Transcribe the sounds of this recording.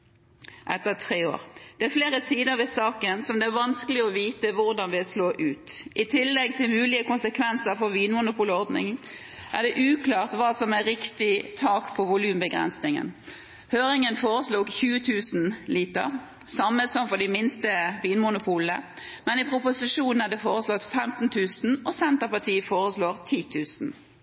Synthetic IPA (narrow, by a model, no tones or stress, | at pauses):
ʔɛt̪ːəʁt̪ʰʁeːo̰ːɾd̪̥ɛæfleːɾəsiːd̪əɾʋɪsɑːkənsɔmd̪ɛæɾʋɑnskəlɪɔʋiːt̪əʋʊʁd̪ɑnʋɪsloːʔʉːt̪ʔɪt̪ʰɪlːɛɡ̚t̪ʰɪlmʉːlɪəkʊnsəkʰʋɛnsəɾfɔɾʋiːnmʊnʊpʰuːləɔʁd̪nɪ̰ŋ | ʔæ̰d̪ɛʔʉːklɑːʁt̪ʋɑːsɔmæɾɪkt̪ɪt̪ʰɑːkpʰɔʋʊlʉːmbəɡʁɛ̰nsnɪŋə̰n | høːʁɪŋənfoːɾəsluːɡçʉːət̪ʰʉːsnliːt̪ə̰ʁ | sɑmːəsɔmfɔɖ̪ɪmɪnst̪əʋiːnmʊnʊpʰuːlə̰ | mɛnɪpʰɾʊpʊsɪʂuːnn̩æʁd̪ɛfoːɾəslɔt̪ːfɛmt̪n̩t̪ʰʉːsn̩ɔsɛnt̪əʁpɑt̪ʰiːəfoːɾəsloːʁt̪ʰiːt̪ʰʉːsn̩